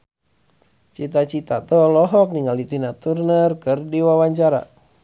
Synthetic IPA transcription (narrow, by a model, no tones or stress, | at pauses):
t͡ʃit̪at͡ʃit̪at̪ɔlɔɦɔk̚niŋalit̪inat̪urnərkɨrdiwawaɲt͡ʃaɾa̰